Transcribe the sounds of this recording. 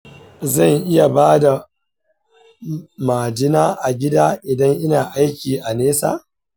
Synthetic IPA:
zɐ˦˨ŋʔɪ˦ja˨baː˦da˨ | maː˨d͡ʒɪ˦naː˦ʔa˨ɡʲɪ˦daː˦ʔɪ˨dɐ˦ŋʔɪ˦naː˨ʔa˦jkʲiː˨ʔa˨neː˦sa̰ː˨

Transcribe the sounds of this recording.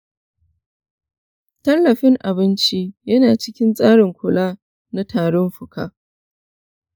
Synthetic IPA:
tɐ˦lːɐ˨ɸɪ˦ŋʔa˨bɪ˦nt͡ʃi˦jɐ˦naː˨t͡ʃɪ˦kʲɪ˦nsʼaː˦ɽɪ˨ŋkʷʊ˨laː˦ | na˦tʰaː˨ɽɔ˦mɸʊ˨ka̰ː˦

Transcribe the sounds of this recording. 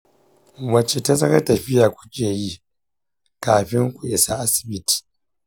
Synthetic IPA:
wɐ˨t͡ʃe˨ta˦sɐ˦kɐ˦tɐ˨ɸɪ˦jaː˨kʷʊ̥˦cʲeː˨ji˦ | kaː˨ɸɪ˦ŋkʷʊ˨ʔɪ˨sa˦ʔa˦sɪ̥˨bɪ˦ti̥˨

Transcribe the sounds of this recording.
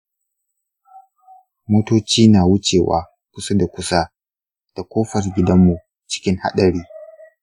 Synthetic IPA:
moː˦toː˦t͡ʃiː˦naː˨wʊ˦t͡ʃeː˨wa̰ː˨ | kʷʊ˦sa˦da˨kʷʊ˦sa˦ | d̥a˨kʷoː˦ɸɐ˨rɡʲɪ˦dɐ˦mːu˨ | t͡ʃɪ̥˦kʲɪ˦ŋha̰˦ɗɐ˨ɽiː˦

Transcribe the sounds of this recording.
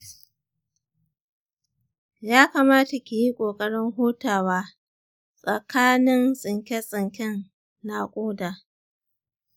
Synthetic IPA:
jaː˦kaː˨maː˦ta˨kʲi˨ji˦kʷʼoː˨kʼɐ˦ɽɪ˦ŋɦoː˦taː˨waː˦ | sʼɐ˨kʰaː˦nɪ˦nsʼɪ˨ŋkʲɛ˦sʼɪ˨ŋkʲɛ˦nː | a˦kʷʼoː˦daː˨

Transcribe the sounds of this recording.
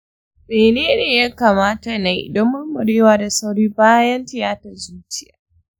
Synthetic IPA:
meː˨neː˦neː˨ja˦kaː˨maː˦ta˨na˦jḭ˨dɔ˦mːʊ˦mmʊ˨ɽeː˦waː˨da˨sa˦wɽiː˦baː˦jɐ˦ntɪ˨jaː˦tɐ˨zuː˦t͡ʃɪ˦ja̰ː˨

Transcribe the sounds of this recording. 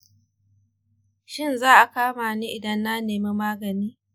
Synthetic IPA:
ʃɪ˦nzaː˦ʔa˨kaː˦maː˨niː˦ʔɪ˨dɐ˦nːa˦neː˨me˦maː˦ɡɐ˨niː˦

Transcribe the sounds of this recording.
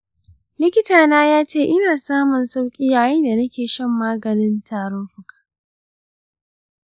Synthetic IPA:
lɪ˦kʲɪ˦taː˨naː˦jaː˦t͡ʃeː˦˨ʔɪ˦naː˨saː˦mʊ˨nsa˦wkʲʼiː˦jaː˨jɛ˦nda˨nɐ˦kʲeː˨ʃɐ˦mːaː˦ɡɐ˨nɪ˦ntʰaː˨ɾʊ˦ɸʊ˨kḁ˨ʔ

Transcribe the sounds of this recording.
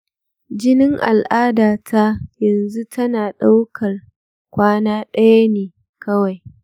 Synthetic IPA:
d͡ʒɪ˦nɪ˦ŋʔa̰˨lʔaː˦daː˨tʰa˦jɐ˨nzu˦tʰɐ˦naː˨ɗa˦wkʰɐ˨r | kʷaː˦naː˦ɗɐ˦ja˦neː˨ | kɐ˦wa˨j

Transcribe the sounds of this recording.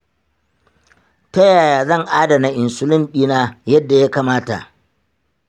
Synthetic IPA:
tɐ˦jaː˨jaː˨zɐ˦˨ŋʔaː˦da˨na˨ʔɪ˨nsʊ˦lʊ˦mɓiː˦naː˦jɐ˦dːa˨ja˦kaː˨maː˦ta̰˨ʔ

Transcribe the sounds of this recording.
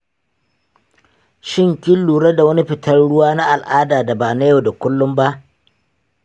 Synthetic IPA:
ʃɪ˦˨ŋkʲɪ˦lːuː˨ɽɐ˦da˨wɐ˦ni˦ɸɪ˨tʰɐ˦rɽʊ˦waː˦na˦ʔa˨lʔaː˦daː˨da˨baː˨na˦jo˨da˨kʷʊ˦lːʊ˦mba˦ʔ

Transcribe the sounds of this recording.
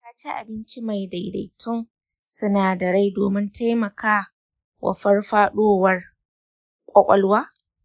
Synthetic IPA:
aː˦t͡ʃi˦ʔa̰˨bɪ˦nt͡ʃi˦ma˨jda˨jda̰˨jtʰʊ˦ŋ | sʊ˦naː˨dɐ˨ɾa˦jdo̰ː˨mɪ˦ntʰa˦jmɐ˨kaː˦ | wʔɐ̰˨ɸɐ˦rɸaː˦ɗoː˦wɐ˦r | kʷʼɐ˦kʷʼɐ˦lwaː˦

